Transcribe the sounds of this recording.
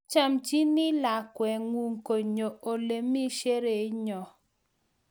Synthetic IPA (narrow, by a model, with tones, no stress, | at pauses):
t͡ʃa˨mt͡ʃi˦nɪ˦la˨kwɛ˨ŋwu˨ŋko˨ɲo˨o˨le˨mi˦ʃe˦ɾe˨˦ɲɔ˨